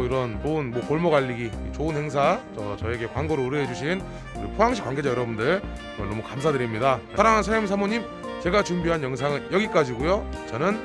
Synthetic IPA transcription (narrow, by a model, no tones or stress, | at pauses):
iɾʌnt͡ɕoɯnmwʌkoɭmoɡaʎːiɡiit͡ɕoɯnhe̞ŋs̬ʰat͡ɕʌt͡ɕʌe̞ɡe̞kwaŋɡoɾouɾɯɦed͡ʑuɕʰin | uɾipʰoaŋɕʰi̥kwaŋɡe̞d͡ʑajʌɾʌbundɯɭ | ʌɭnomukamsʰadɯɾimɲidasʰaɾaŋɦansʰajomsʰamoɲim | t͡ɕe̞ɡat͡ɕumbiɦanjʌŋs̬ʰaŋɯnjʌɡik͈ad͡ʑiɡujot͡ɕʌnɯn